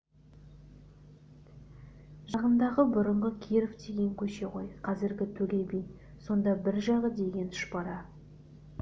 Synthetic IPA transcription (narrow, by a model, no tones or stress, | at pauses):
ʒɑʁənd̪ɑʁəbʊɾəɴʁəkʲʰeɾofd̪e̞ɡʲe̞ŋkʲʰɵʃe̞qʰo̞jqʰɑzɪɾɡʲɪt̪ʰɵlʲe̞bij | so̞nd̪ɑbɪɾʒɑʁəd̪e̞ɡʲe̞nt̪ʏ̥ʃbɑɾɑ